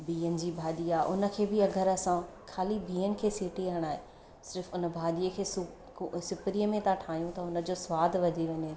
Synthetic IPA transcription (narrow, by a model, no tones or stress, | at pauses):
biːənɪ̆d͡ʑiːbʱaːd̪ijaʔʊnə̆kʰeːbɪɐɡʱəɾɐsã | kʰaːlibʱiːəñɪ̆kʰeːsiːʈiɦəɽ̃aːɦẽ | sɪɾfʊnəbʱaːd̪ijəkʰeːsʊ | sɪpɾijəmẽt̪ãʈʰaːɦjũt̪ɐʊnə̆d͡ʑoːsʋaːd̪ʱʋɐd͡ʑiʋɐɲe